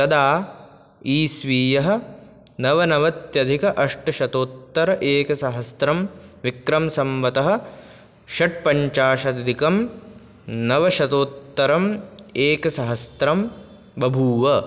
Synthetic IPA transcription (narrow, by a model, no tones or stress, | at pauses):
t̪ɐd̪aː | iːsʋiːjɐɦɐ̆ | nɐʋɐnɐʋɐt̪jɐd̪ʱikɐʔɐʂʈɐʃɐt̪oːt̪ːɐɾɐʔeːkɐsɐɦɐst̪ɾɐmʋikɾɐmsɐmʋɐt̪ɐɦɐ̆ | ʃɐʈ̚pɐɲt͡ʃaːʃɐd̪ɐd̪ʱikɐm | nɐʋɐʃɐt̪oːt̪ːɐɾɐmeːkɐsɐɦɐst̪ɾɐm | bɐbʱuːʋɐ